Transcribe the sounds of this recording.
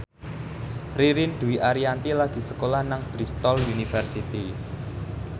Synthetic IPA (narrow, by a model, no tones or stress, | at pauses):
riɾind̪̥uwiʔaɾiant̪ilaɡ̥i̤səkolahnaŋb̥ɾist̪ɔlunifərsit̪i